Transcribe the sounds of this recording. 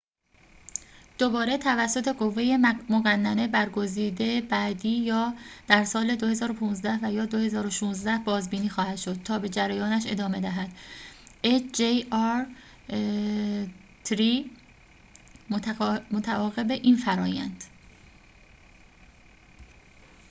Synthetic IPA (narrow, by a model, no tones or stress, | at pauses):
d̪̥o̞bɒːɾe̞t̪ʰævæsːo̞t̪ʰe̞ɡo̞vːe̞je̞moɣænːæne̞bæɾɡo̞ziːd̪e̞bæːd̪iːjɒːd̪̥æɾsɒːle̞d̪ohe̞zɒːɾo̞pʰuːnzd̪æhvæjɒːd̪o̞he̞zɒːɾoʃuːnzd̪æhbɒːzbiːniːxɒːhæd̪̥ʃo̞d̪̥̚t̪ʰɒːbe̞d͡ʒæɾæjɒːnæʃe̞̰d̪ɒːme̞d̪æɦæd̪̥ | ed͡ʒejɒɾ | t̪ʰɾi | momot̪ʰæʔɒːɣe̞be̞ʔiːnfæɾɒːjæ̰nd̪̥